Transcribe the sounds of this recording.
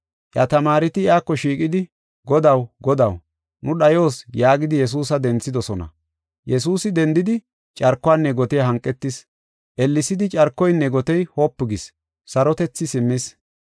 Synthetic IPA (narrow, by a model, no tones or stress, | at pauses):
ʔjat̪ɐmaːɾɪt̪ɪɪjaːkːɔʃiːkʼɪd̪ɪ | ɡɔd̪ɐwɡɔd̪ɐw | nʊɗɐjo̞ːsjaːɡɪd̪ɪjɛs̬uːsɐd̪ɛnt͡sːɪd̪ɔsɔnɐ̰ | jɛs̬uːsɪd̪ɛnd̪ɪd̪ɪ | t͡ʃʼɐɾkːɔwaːnːɛɡɔt̪ɛjɐɦɐŋkʼːɛt̪ːɪs | ʔɛlːɪsɪd̪ɪt͡ʃʼɐɾkːɔjnːɛɡɔt̪ɛjhoːpːɪɡɪs | sɐɾɔt̪ɛt͡sːɪsɪmːɪs